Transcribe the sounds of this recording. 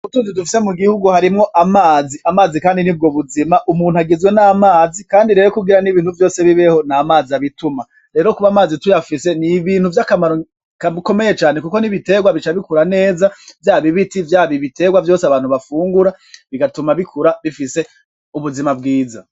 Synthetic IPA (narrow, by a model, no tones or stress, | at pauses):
utuːnzidufi̥se̞muɡihuɡuhaɾimŋo̞ʔamaːziamaːzikaːndinib̚ɡoβuzimaʔumuːn̥uaɡizɡwe̞naːmaːzikaːndiɾe̞ːɾokuɡiɾaniβiːn̥huvjo̞ːse̞βiβe̞ho̞naːmaːziaβituma | ɾe̞ːɾo̞kuβaːmaːzitujafise̞niβiːn̥huvjakamaɾo | kaiko̞me̞je̞t͡ʃaːne̞kuko̞niβite̞ːɡwaβit͡ʃaβikuɾane̞ːzavjaːβiβitivjaːβiβite̞ɡwavjo̞ːseaβaːn̥huβafuːŋɡuɾa | βiɡatumaβikʰuɾaβifise̞ | uβuzimab̚ɡiːza̰